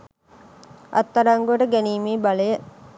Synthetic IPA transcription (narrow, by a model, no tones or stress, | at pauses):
ʔɐ̰t̪ːɐɾaŋɡuʋɐʈəɡæniːmeːbɐlɐjə